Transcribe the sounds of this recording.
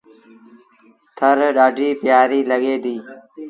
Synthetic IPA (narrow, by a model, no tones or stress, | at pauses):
t̪ʰəɾɗaːɖʱiːpjaːɾiːləɠeːd̪iː